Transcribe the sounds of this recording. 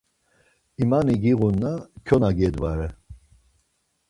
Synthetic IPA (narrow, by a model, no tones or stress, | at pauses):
imaniɡiɣunːakʰɔnaɡɛd̪vaɾɛ